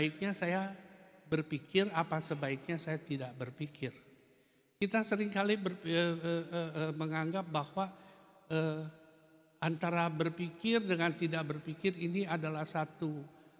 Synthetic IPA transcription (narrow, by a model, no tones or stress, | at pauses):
ik̚ɲasajabərpikɪrapasəbaik̚ɲasajat̪idaʔ̚bərpikɪr | kit̪asəɾɪŋkalibərəəəəməŋaŋɡap̚bahwa | ə | ant̪aɾabərpikɪrdəŋant̪idak̚bərpikɪriniadalahsat̪u